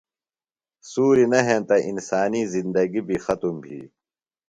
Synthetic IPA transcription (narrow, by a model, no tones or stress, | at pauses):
suːɾinɐɦẽːt̪ɐʔinsaːnizind̪ɐɡibʱixɐt̪umbʱḭː